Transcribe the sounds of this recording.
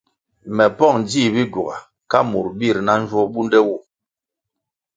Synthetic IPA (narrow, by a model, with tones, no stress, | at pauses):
mɛ˨pɔ˦˨ŋd͡zi˦˨bi˦ɡu˨ɣa˨ | ka˦mu˨ɾbi˦˨ɾna˦n̩˦d͡ʒwɔ˦bu˦ndɛ˦wu˦˨